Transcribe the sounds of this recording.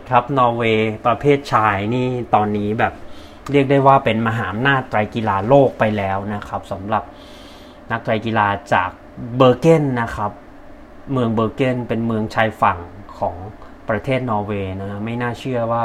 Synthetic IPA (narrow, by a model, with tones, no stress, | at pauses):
kʰa˦˥p̚nɔː˧weː˧pɾa˧pʰeː˥˩t̪̚t͡ɕʰaː˧jniː˥˩t̪ɔː˧nːiː˦˥bɛː˨˩p̚ | ɾi˥˩ək̚daː˥˩jwaː˥˩pe˧nma˧ɦaː˩˦ʔa˧mnaː˥˩t̪ːɾa˧jki˧laː˧loː˥˩k̚pa˧jlɛː˦˥wna˦˥kʰa˦˥p̚sa˩˦mɾa˨˩p̚ | na˦˥k̚t̪ɾaː˧jkiː˧laː˧t͡ɕa̰ː˨˩k̚bɤː˧ke˥˩nːa˦˥kʰa˦˥p̚ | mɯ˧əŋbɤː˧ke˥˩npe˧nmɯ˧əŋt͡ɕʰaː˧jfa˨˩ŋkʰɔ̰ː˩˦ŋ | pɾa˧t̪ʰeː˥˩t̪̚nɔː˧weː˧na˦˥ma˥˩jnaː˥˩t͡ɕʰɯ˥˩ɐwaː˥˩